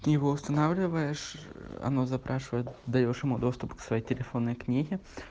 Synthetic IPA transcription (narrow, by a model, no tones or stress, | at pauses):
iɦɔʊst̪ɐnɑwlʲʊʋɐjeʃɐ̰nɔzɐpɾʔɑʃʊjɛd̪ɐjʲoʃɪmud̪ɔst̪ʊpksʋɐjitʲelʲefɔnːɔjknʲiɦʲɪ